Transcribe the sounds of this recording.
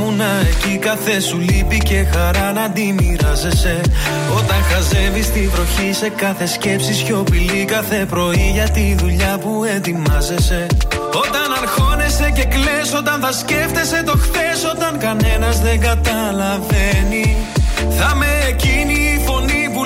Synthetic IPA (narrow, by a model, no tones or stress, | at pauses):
munɐe̞cikɐθe̞sulipice̞xɐɾɐnɐd̪imiɾɐze̞se̞ | o̞t̪ɐŋxɐze̞vist̪ivɾo̞çise̞kɐθe̞sce̞psisço̞pilikɐθe̞pɾo̞iʝɐt̪inðuʎɐpue̞t̪imɐze̞se̞ | o̞t̪ɐnɐɾxo̞ne̞se̞ce̞kle̞so̞t̪ɐnθɐsce̞ft̪e̞se̞t̪o̞xθe̞so̞t̪ɐŋkɐne̞nɐzðe̞ŋɡɐt̪ɐ | lɐveniθɐme̞ːciniːfo̞nipu